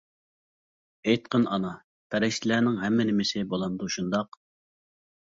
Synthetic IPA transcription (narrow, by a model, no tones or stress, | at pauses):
ejt̪̚qʰənɑnɑ | pʰɛɾɛʃt͡ʃ̪ʰɪlæːnɪŋɦɛmːɪnɪmɪsɪbolˠɑnd̪uʃund̪ɑq